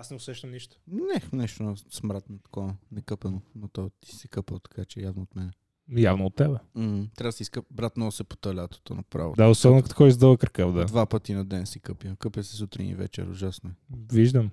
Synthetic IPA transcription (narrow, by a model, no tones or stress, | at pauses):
asnɛʊsɛʃt̪əmniʃt̪o̥nɛnɛʃt̪onɐsmɾat̪nɐt̪ɐ̥kɔnɛkɤpənonot̪ɔjt̪i̥sɛkəpəlˠt̪ɐ̥kat͡ʃɛjavnoot̪mɛnɛ | javnoːt̪ːɛbɛm̩hm̩t̪ɾʲavd̪siskəpbɾat̪nosɛpo̥t̪əlʲat̪o̥t̪o̰nɐpɾa̰vo̰d̪aʊsɔbnkt̪kɔjizd̪əlˠəkɾəkavd̪ad̪vapɐt̪inɐd̪ɛnsikɤpjəkɤpjəsɛsut̪ɾḭnḭvɛ̰t͡ʃɛ̰ɾʊ̰ʒasnoɛviʒd̪əm